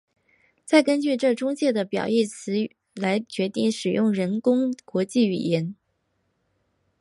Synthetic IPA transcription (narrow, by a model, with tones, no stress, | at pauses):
t͡sa˥˩ɪkə˥nt͡ɕy˥˧ʈ͡ʂɤ˥˩ʈ͡ʂʊ˥ŋt͡ɕjɛ˥˩d̪ə˩pjɑ̰˨˩ʊi˥˩t͡sʰɹ̩˧˥ | la˧˥ɪt͡ɕɥɛ˧˥t̪i˥˩ŋʂɻ̩˨˩jʊ˥˩ŋɻə˧˥nkʊ˥ŋkwɔ˧˥t͡ɕi˥˩y̰˨˩jɛ˧˥n